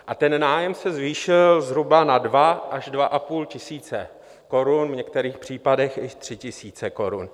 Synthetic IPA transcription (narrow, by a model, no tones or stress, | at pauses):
ʔat̪ɛnnaːjɛmsɛzviːʃɪlzɦɾubanadvaʔaʒdvaʔapuːlcɪsiːt͡sɛ | ko̞ɾunvɲɛk̚t̪ɛɾiːxpr̝̥iːpadɛxjɪʃt̪r̝̥ɪcɪsiːt͡sɛko̞ɾṵn